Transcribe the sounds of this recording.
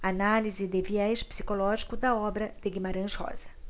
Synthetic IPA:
analizɪd̪eviɛʃpsi̥kolɔʒikʊd̪ɐɔbɾɐd̪̥ɪɡimaɾɐ̃ʃhɔ̰z̥ɐ

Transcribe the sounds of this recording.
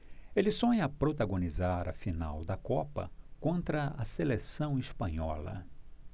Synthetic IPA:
elɪsõɲɐpɾot̪aɡõnizaɾɐfinawd̪ɐkɔpɐ̰kõnt̪ɾɐɐselesɐ̃w̃ispɐ̃ɲɔlɐ̰

